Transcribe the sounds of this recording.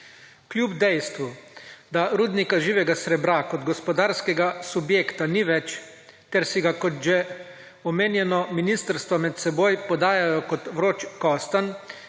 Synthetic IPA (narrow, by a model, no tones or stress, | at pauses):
klʲjubd̪ɛjst̪ʋud̪aɾuːd̪nikaʒiːʋɛɡasɾɛbɾakɔd̪ɡɔspɔd̪aːɾskɛɡasubjeːkt̪aniʋɛt͡ʃ | t̪ɛɾsiɡakɔt̪ʒɛ | ɔmeːnjɛnɔminist̪əɾst̪ʋɔmɛt̪sɛboːjpɔd̪aːjajɔkɔt̪ʋɾot͡ʃkɔst̪an